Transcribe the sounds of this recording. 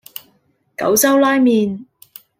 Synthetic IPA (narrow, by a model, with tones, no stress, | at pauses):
kɐ̰˨˥wt͡sɐ˥wlaː˥jmiː˨n